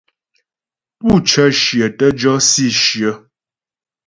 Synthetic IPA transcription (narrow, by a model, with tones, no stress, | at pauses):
pu˦˨t͡ʃə˦ʃjə˨tə˦d͡ʒɔ˦si˦˨ʃjə˦